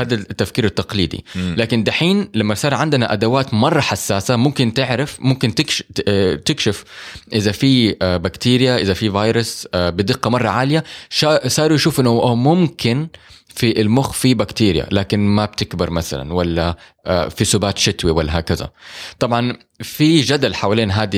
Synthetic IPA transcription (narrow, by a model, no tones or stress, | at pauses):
haːd̪at̪ːafkiːɾɪt̪ːɑqliːd̪ḭlaːkɪnd̪aħiːnlamːasˤɑːɾˤʕɪnd̪ɪnaʔad̪awaːt̪mɑrˤːɑħasːaːsamʊmkɪnt̪ɪʕɾɪfmʊmkɪnt̪ɪkt̪ɪkʃɪfʔɪðafibakt̪iːɾɪjaʔɪzafivɑːjɾɪsbɪd̪ɪqːɑmɑrˤːɑʕaːlɪjaʃɑsˤɑːɾujaʃuːfʔɪnːʊʔmʊmkɪn | fiʔɪlmʊxfibakt̪iːɾɪja̰laːkɪnmab̚t̪ɪkbɪɾˤmaθa̰la̰nwalːa | fisʊbaːt̪ʃɪt̪wiwalːaɦaːkaza̰t̪ˤɑbʕɑn | fid͡ʒad̪alħawaleːnɦaːd̪i